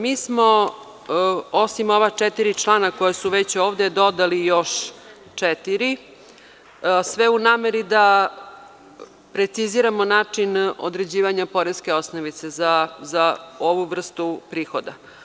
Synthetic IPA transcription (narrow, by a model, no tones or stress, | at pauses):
miːsmo̞ | osimo̞ʋat͡ʂɛt̪iɾit͡ʂlˠaːnako̞jesuʋet͡ɕoːʋd̪ed̪o̞d̪alijo̞ʃ | t͡ʂɛt̪iɾi | sʋeunaːmeɾid̪a | pɾet̪siziɾamonaːt͡ʂino̰d̪ɾed͡ʑiːʋaɲapo̞ɾeske̞o̞snoʋit̪se̞zazaoʋuʋr̩st̪upɾiːxo̞d̪a̰